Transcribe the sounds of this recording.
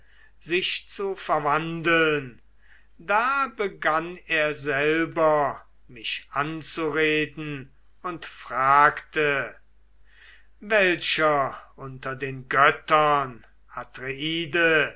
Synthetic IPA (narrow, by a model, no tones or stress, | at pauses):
z̥ɪʃt͡sufɛɐvandl̩n | daːbəɡaneːɐzɛlbɐ | mɪʃʔant͡suʁeːdn̩ | ʊntfʁ̥aːktə | vɛlʃɐʔʊntɐdeːnɡœtɐn | ʔatʁeiːdə